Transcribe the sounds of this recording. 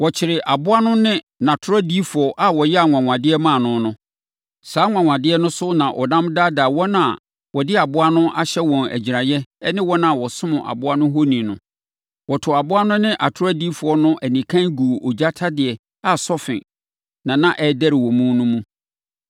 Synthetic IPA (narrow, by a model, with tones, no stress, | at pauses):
wɔ˨t͡ɕʰɪ˨ɾɪ˨ʔa˨bʊ˦a˦nʊ̃˦nɪ̃˦ | nã˨tʰʊ˦ɾa˦di˦fʊ˨ɔ˨ʔa˦˨wɔ˨jɛ˦a˨ŋʷã˨ŋʷã˨dɪ˦ɛ˦mã˦˨nʊ̃˦nʊ̃˦ | saː˨˦ŋʷã˨ŋʷã˨dɪ˦ɛ˦nʊ̃˦sʊ˦nã˨ʔɔ̰˨nã˦mda˦daː˨wɔ˦nã˨ | wɔ˨dɪ˦a˨bʊ˦a˦nʊ̃˦ʔa˦ɕɛ˦wɔ̃˨næ̰˨d͡ʑi˨ɾa˨jɛ˦nɪ̃˦wɔ˦nã˦˨wɔ˨sʊ̃˦mʊ̃˨ʔa̰˨bʊ˦a˦nʊ̃˦ɦo˦nĩ˨nʊ̰̃˨ | wɔ˨tʰʊ˨a˨bʊ˦a˦nʊ̃˦nɪ̃˦ʔa˨tʰʊ˦a˦di˦fʊ˨ɔ˦nʊ̃˦ʔæ˨nĩ˨kʰã˦nɡuː˨ʔɔ˨d͡ʑa˦tʰa˦dɪ˨ɛ˨ | a˨sɔ˦fɪ̰̃˨ | nã˨nã˨ʔɛ˦˨dɛ˦ɾɪ˨wɔ̃˨mũ˦nʊ̃˦mũ˦